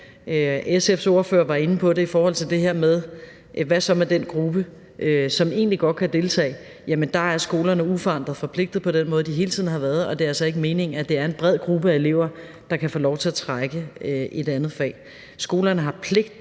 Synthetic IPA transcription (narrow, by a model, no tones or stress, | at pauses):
øesefso̝ɐfø̰ːɐʋɑ̈e̝nəpʰɒ̽ɾe̝ifɒːhɒ̽l̰t͡sʰe̝ld̥e̝ɦeɐ̰meðˠ | ʔʋæsɒ̽mæɐd̥enɡ̥ʁub̥ə | ʔøsɒ̽me̝̰ːnliɡ̥ɒ̽d̥̚kʰæd̥e̝lt͡sʰɛ̰ːɪ | jæmənd̥ɑ̈æɐsɡ̥o̝ːlɐnəufɒɑ̈n̰d̥ʁɐð̩ˠfɒ̽pʰle̝ɡ̥̚d̥ð̩ˠpʰɒ̽d̥enmɔ̽ːðˠd̥iɦe̝ːlt͡sʰið̞̰ˠn̩ɦɑ̈ʋæːɐð̞ˠɒ̽d̥e̝æɐælsɒe̝ɡ̥əme̝ːne̝ŋæd̥e̝æɐe̝nb̥ʁɛð̞̰ˠɡ̥ʁub̥əæe̝le̝̰ʊ̰ɐ | d̥ɑ̈kʰæfɔːlɒʊt͡sʰe̝æɐt͡sʰʁaɡ̥əʔe̝d̥ænð̩ˠfɛ̰ː | sɡ̥o̝ːlɐnəɦɑ̈pʰle̝ɡ̥d̥